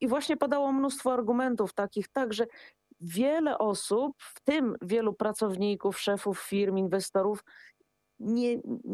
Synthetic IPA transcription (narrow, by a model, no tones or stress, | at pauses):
ivwaɕɲɛpad̪awɔmnust̪fɔaɾɡumɛnt̪uft̪akʲixt̪aɡʐɛ | vʲjɛlɛʔɔsupft̪ɘmvʲjɛlupɾat̪sɔvɲikufʂɛfufːʲiɾminvɛst̪ɔɾuf | ɲɛ